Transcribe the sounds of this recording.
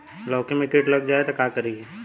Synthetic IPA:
lɔːkemẽkeʈlɐɡ̚d͡ʒaːet̪okakəɾiɦe

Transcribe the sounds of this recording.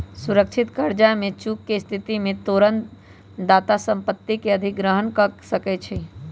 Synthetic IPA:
suɾəkʃʰɪt̪kəɾd͡ʒamẽt͡ʃuːkːest̪ʰɪt̪imẽt̪oːɾən | d̪aːt̪asə̃mpət̪ːikeəd̪ʱɪk̚ɡɾəɦənkəsəkɛt͡ʃʰi

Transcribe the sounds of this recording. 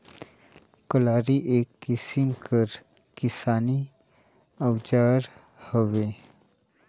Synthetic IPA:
kəlaːɾiʔeːkːɪsɪmkʰəɾ | kɪsaːni | əwd͡ʒaːɾ | həʋeː

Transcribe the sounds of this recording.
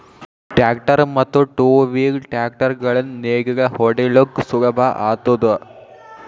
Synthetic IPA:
ʈjaːkʈɐɾmɐt̪ːuʈuːʋiːɡʈaːk̚ʈɐɾɡɐɭɐnneːɡɐɡɐhɔɖelukːsuɡɐbʱaʔaːt̪ud̪u

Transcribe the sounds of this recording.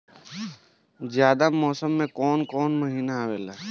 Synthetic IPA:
d͡ʒjaːd̪amɔːsəmːẽkɔːnkɔːnməɦiːnaaʋeːlaː

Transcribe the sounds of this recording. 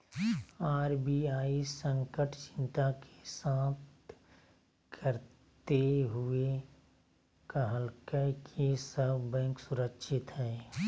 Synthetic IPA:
aːɾbiaːisə̃ŋkəʈt͡ʃɪ̥nt̪ake̥saːt̪̚ | kʰəɾ | t̪eɦʊe | kəɦəlkəkʰesəbbɛ̃ːŋksʊɾəkʃʰɪt̪ɦɛː

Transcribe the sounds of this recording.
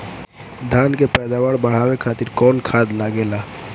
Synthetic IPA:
d̪ʱankepɛd̪awaɾbəɽ̤awekʰat̪iɾkɔːnkʰad̪naɡela

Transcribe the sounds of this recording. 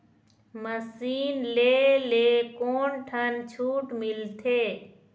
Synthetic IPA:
məsiːnleːleːkoːnʈʰənt͡ʃʰuːʈmɪlt̪ʰeː

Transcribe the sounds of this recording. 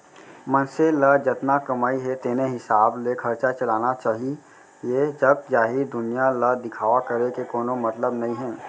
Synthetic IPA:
mənseləd͡ʒɐt̪nakɐmaːiɦɛt̪eːneɦɪsaːblekʰɐɾt͡ʃat͡ʃɐlaːnat͡ʃaːɦi | ed͡ʒɐb̚d͡ʒaːɦid̪ʊnijaləd̪ɪkʰaːʋakəɾekekoːnomɐt̪ləbnɐɦĩɦɛ̃ː

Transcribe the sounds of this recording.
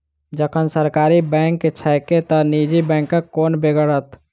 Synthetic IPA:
d͡ʒəkʰənsəɾkaːɾibɛ̃ːŋkːet͡ʃʰɛːket̪ənid͡ʒibɛ̃ːŋkːakoːnbeɡəɾət̪

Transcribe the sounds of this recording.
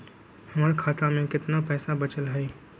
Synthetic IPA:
hɐmaːɾkʰaːt̪amẽkɪt̪napɛːsabɐt͡ʃəlɦɛ

